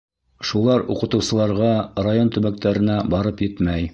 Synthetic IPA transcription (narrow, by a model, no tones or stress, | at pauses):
ʃulˠɑɾuqɤ̆t̪ɤ̆wsɤ̆lˠɑɾʁɑrajont̪ɵ̆βæk̚t̪æɾɘ̆næbɑɾɤpjɘt̪mæj